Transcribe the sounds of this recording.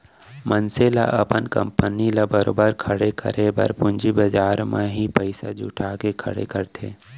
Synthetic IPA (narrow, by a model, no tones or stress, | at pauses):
mənsela̰ʔɐpənkə̰̃mpənilabəɾo̰ːbəɾkʰəɽekʰə̰ɾʔebɐ̰ɾpʊ̃nd͡ʒibɐd͡ʒaːɾmẽɦipəɪsad͡ʒʊ̰ʈʰaːkekʰə̰ɽḛkəɾt̪ʰḛː